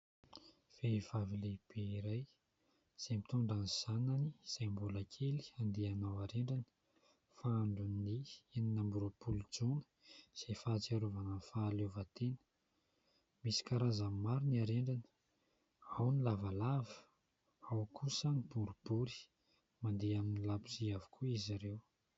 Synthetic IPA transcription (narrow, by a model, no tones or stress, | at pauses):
v̥evavileb̥eiɾaj | z̥ajmit̪uɳɖ͡ʐanz̥ananiz̥ajmbulakʰeli̥and̪ianawaɾeɳɖ͡ʐanə̥ | faaɳɖ͡ʐunnieninambuɾəpuld͡zonə̥ | z̥efat͡saɾuvanəfaːlevat̪enə̥ | misi̥kaɾazamimaɾiniaɾeɳɖ͡ʐanə̥ | awnilavalavə̥ | awkusənib̥uɾub̥uɾi̥ | mand̪eaminilabuziavu̥kuiziɾew